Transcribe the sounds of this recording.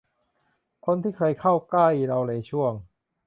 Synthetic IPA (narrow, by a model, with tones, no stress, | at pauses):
kʰo˧nt̪ʰiː˥˩kʰɤː˧jkʰa˥˩wkla˥˩jɾa˧wlaː˨˦jt͡ɕʰu˥˩əŋ